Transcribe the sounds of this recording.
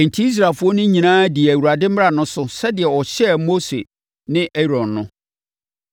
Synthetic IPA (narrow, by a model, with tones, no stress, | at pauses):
n̩˨tʰi˦i˦s̬ɾa˨fʊ˦ɔ˦nʊ̃˦ɲĩ˨nãː˦di˨æ˨wu˨ɾa˨dɪ˦m̩˦m˦ɾa˨nʊ̃˦sʊ˦sɛ˦dɪ˨ɛ˨ɔ˨ɕɛ˦mo˦sḛ˨ | nɪ̃˦ʔɛ˦ɾɔ̃˨nːʊ̃˦